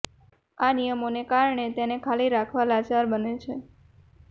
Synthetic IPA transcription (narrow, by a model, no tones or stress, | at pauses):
anijəmonekaɾɳet̪enekʰaliɾakʰʋalat͡ʃaɾbənet͡ʃʰe